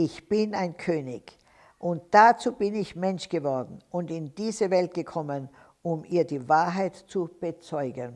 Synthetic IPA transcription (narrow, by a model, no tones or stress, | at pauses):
ɪçb̥ɪnaɪnkʰøːnɪç | ʔʊnt̚d̥at͡suːbɪnɪçmɛnʃɡ̥əvɔɐdn̩ʔʊntɪnd̥iːzəvɛlt̚ɡ̥əkʰɔmən | ʔʊmiːɐdiːvaːɐɦaɪtt͡sub̥ət͡sɔʏɡən